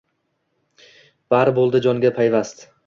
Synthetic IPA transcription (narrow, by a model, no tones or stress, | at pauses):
b̥aɾbolˠd̪ɪd͡ʒɒŋɡʲapʰajvast̪